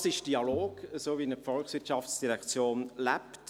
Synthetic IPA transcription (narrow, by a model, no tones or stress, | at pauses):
sɪʃd̥iɑloːɡ̥əsoːviɪnəfɔlksʋɪtt͡ʃʃɑft͡sd̥iɾɛkt͡sjoːnlæpt